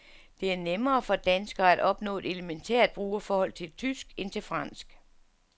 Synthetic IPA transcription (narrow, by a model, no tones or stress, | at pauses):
d̥e̝æɐnemɐːfɒ̽d̥ænsɡ̥ɐːæd̥ɒ̽b̥nɔ̰̽ːe̝ɾ̥e̝lement͡sʰeɐ̰d̥̚b̥ʁuːɐfɒːhɒ̽l̰t͡sʰe̝lt͡sʰysɡ̥e̝nt͡sʰe̝lfʁɑ̈n̰sɡ̥